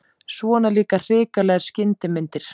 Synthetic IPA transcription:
svɔːnaliːkar̥ɪːkalɛɣḁscɪnt̪ɪmɪnt̪ɪɾ̥

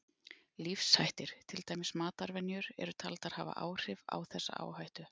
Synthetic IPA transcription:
lifshajht̪ɪɾ̥t̪ʰɪlt̪aːjmɪsmaːt̪aɾvɛnjʏɾɛ̰ɾʏt̪ʰalt̪að̥haːva̰ʔaːwr̥ɪva̰wθɛsːa̰a̰ːwhajht̪ʏ

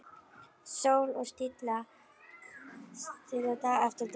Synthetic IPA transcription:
sowlɔst̪ɪt̪la | t̪ʰɪlat̪ʰaɛft̪əɾt̪

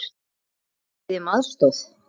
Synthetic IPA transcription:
ɪmaðst̪ɔθ

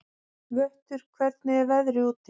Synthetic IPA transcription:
vœht̪ʏɾ̥kʰvɛt̪nɪvɛðɾɪuːt̪ɪ

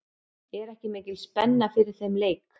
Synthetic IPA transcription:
ɛɾɛhcɪmeːcɪlspɛnːafɪɾɪɾ̥θejmleːjk

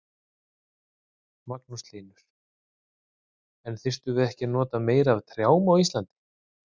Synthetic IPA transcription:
maknust̪liːnʏɾ̥ | ɛnθɪr̥t̪ʏvɪðɛhcɪnɔːt̪ameːjɾavt̪ʰɾjaːwmawist̪lant̪ɪ̥

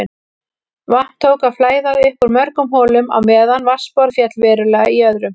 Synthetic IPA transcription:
ɪ | van̥t̪ʰːoːwkaðflaːjðaɾɪhkʏɾmœɾkʏmɦoːlʏma̰wmɛːðanvaspɔɾðfjɛt̪lvɛːɾʏlɛɣaiœðɾʏm

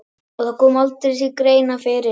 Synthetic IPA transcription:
ɔθakɔːmalt̪ɾɪsikɾeːjnafɪːɾɪ

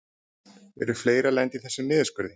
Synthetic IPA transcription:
vɛ̰ɾʏ̥fleːjɾalɛnt̪iθɛsːʏnɪːðɪskpʏɾðɪ

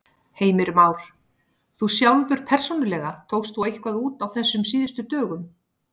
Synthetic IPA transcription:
heːjmɪɾmaːwɾ̥ | θusjawlvʏɾ̥pʰɛr̥sownʏlɛɣat̪ʰoːwst̪θuejhkvaðuːt̪awθɛsːʏmsiːðɪst̪ʏt̪œːɣʏm

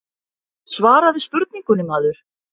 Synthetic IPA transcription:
svaːɾaðɪspʏɾt̪niŋkʏnːɪmaːðʏɾ̥

